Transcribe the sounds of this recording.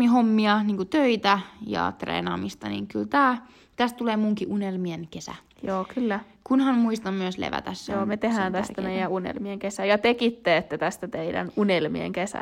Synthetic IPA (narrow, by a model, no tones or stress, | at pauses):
iɦomːiɑniːŋkut̪øit̪æjɑ̰t̪rḛːnɑ̰ːmist̪ɑnḭŋkylt̪æː | t̪æst̪t̪uleːmuŋkiʔunelmienkesæ̰ | joːkylːæ | kunhɑnmuist̪ɑmmyøslḛʋæ̰t̪æsːjoːmet̪ehæːnt̪æst̪ænæjæunḛlmieŋkesæjɑt̪ekit̪ːeet̪ːæt̪æst̪æt̪eidæ̰nunelmḭḛŋkesæ̰